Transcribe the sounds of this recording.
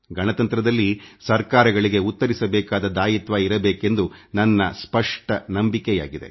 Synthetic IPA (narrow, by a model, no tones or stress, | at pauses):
ɡɐnɐt̪ɐnt̪ɾɐd̪ɐlːisɐɾkaːɾɐɡɐɭiɡe̞ut̪ːɐɾisɐbɛːkaːd̪ɐd̪aːjit̪ʋaːiɾɐbeːke̞nd̪unɐnːɐspɐʂʈɐnɐmbikɛja̰ːɡid̪e̞̰